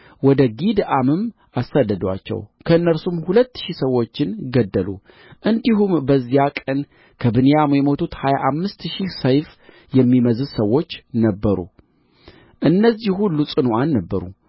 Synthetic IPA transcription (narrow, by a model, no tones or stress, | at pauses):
wɔd̪əɡid̪ʔamɨm | ʔasːad̪ːəd̪wa̰t͡ʃːɛ̰wkʰəɨnːəɾsumhulət̪ːʃisəwːo̞t͡ʃːɪnɡəd̪ːəlṵ | ʔɨnd̪iɦumbəzːijakʼən | kʰəbɨnijamjɛmot̪ʰut̪hajaʔamːɨst̪ʃisəjf | jɛmːiməzɨzsəwːo̞t͡ʃːnəbːəɾṵ | ʔɨnːəzːihulːusʼɨnuanːəbːəɾṵ